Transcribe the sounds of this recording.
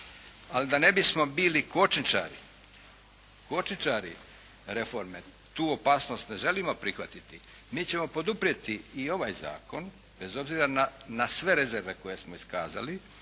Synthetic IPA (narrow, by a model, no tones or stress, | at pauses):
alid̪ane̞bismo̞biːliko̞t͡ʃnit͡ʃa̰ːɾḭ | ko̞t͡ʃnit͡ʃaːɾḭ | ɾe̞fo̞ɾme̞ | t̪uːo̞paːsno̞ːst̪ne̞ʒe̞limo̞pɾixʋat̪it̪i | miːt͡ɕe̞mo̞po̞d̪upɾije̞t̪iːo̞ʋaːjza̰ːko̞n | be̞zo̞bziːɾananasʋe̞ɾe̞ze̞ɾʋe̞ko̞je̞smoiskaːza̰li